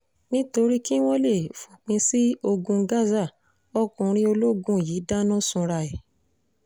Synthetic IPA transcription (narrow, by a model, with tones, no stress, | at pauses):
nĩ˦to˧ɾi˦ki˦w̃ɔ̃˦le˦˨fũ˨k͡pĩ˧si˦o˧ɡũ˧ɡa˦za˦˨ | ɔ˦kũ˧ɾ̃ĩ˧˦o˧lo˦ɡũ˧˨jiː˨˦da˦nɔ̃˦sũ˧ɾa˧˨ɛ˨